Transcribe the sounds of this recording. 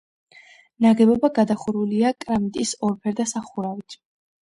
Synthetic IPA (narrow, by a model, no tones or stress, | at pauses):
naɡɛbɔbaɡad̪aχuɾuliakʼɾamit̪ʼisɔɾpʰɛɾd̪asaχuɾavit̪ʰ